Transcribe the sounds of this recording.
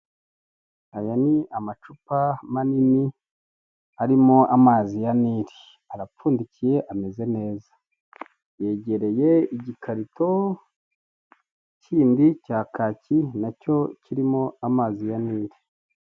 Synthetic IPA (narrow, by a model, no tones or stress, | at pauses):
ajaniamat͡ʃupamanini | aɾimoʔamaːzijaniːɾi | aɾapfuːndicije̞ʔame̞ze̞ne̞ːza | je̞ɟe̞ɾe̞jeiɟikʰaɾito̞ | ciːndicaːkaːcinaco̞ciɾimo̞amaːzijaniːɾi